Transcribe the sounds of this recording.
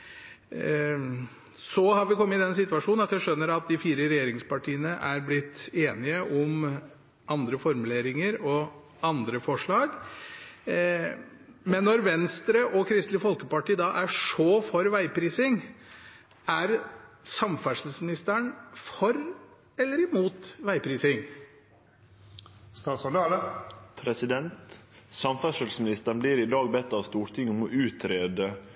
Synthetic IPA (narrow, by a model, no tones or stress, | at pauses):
sɔhɑɾʋɪkʰɔmːəɪd̪ɛnsɪt̪ːʋɑʂuːnnɑt̪jæɪʂœnːəɾɑt̪̚d̪ɪfiːɾəɾɛjeːɾɪŋspɑʈʰiːənəʔæɾblɪt̪ːeːnɪəʔɔm | ʔɑnd̪ɾəfɔɾmʉleːɾɪŋəɾɔ | ɑnd̪ɾəfɔʂɭɑːɡ | mɛnːɔɾʋɛnst̪ɾəʔɔkʰɾɪst̪lɪfɔlkəpɑʈiːd̪ɑːʔæʂoːfɔɾʋæɪpɾiːsɪŋ | æɾsɑmfæʂəlsmɪnɪst̪əɳfɔɾ | ɛlːəɾɪmuːt̪ʋæɪpʰɾiːsɪŋ | st̪ɑːsɔ | pʰɾɛsɪd̪ɛnt̪sɑmfæʂəlsmɪnɪst̪əɳbliːɾɪd̪ɑːɡ̚bɛt̪ːɑːʋst̪uːʈʰɪŋɔmɔʔʉːt̪ʰɾeːd̪ə